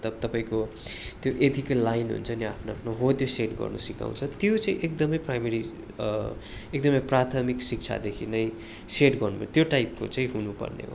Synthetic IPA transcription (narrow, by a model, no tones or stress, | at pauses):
t̪ʌbt̪ʌpaĩko | t̪joʔed̪ʱiklːajnɦṵnt͡sʰʌniapʰnoapʰnoɦod̪joseʈɡʌ̰rnʌ̰sika̰w̃t͡sʰʌt̪jot͡saĩʔekd̪ʌmʌjprajmeɾi | ek̚d̪ʌmʌjprat̪ʰʌmiksik̚t͡sʰa̰d̪ekʰinʌj | seʈɡʌrnumat̪joʈajp̚ko̰t͡saĩɦunupʌ̰rnḛɦo̰